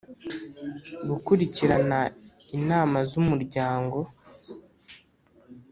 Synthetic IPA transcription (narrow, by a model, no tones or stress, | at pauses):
ɡukuɾiciɾana | inaːmazumuɾɟaːŋɡo̞